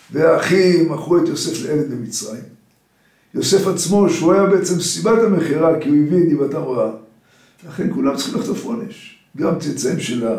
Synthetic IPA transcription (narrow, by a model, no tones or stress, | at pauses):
veaχimaχuet̪jo̞se̞fleʔelenlemit͡sʁaim | jo̞se̞fat͡smo̞ʃeuajabe̞et͡se̞msibaetameχiʁakiuevietdibatamʁaa | laχe̞nkulamt͡sḁχimlaχto̞fonḛʃ | ɡamt͡sit͡saimʃela